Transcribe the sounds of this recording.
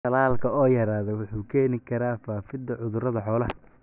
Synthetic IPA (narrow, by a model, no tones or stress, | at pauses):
ɐlaːlkʰɐɔːjɐɾaːðɛwʊħuːkʰɛːnɪkʰɐɾaːfaːfɪd̪ɐʕʊðʊɾɐðɐħɔːlɐhɐ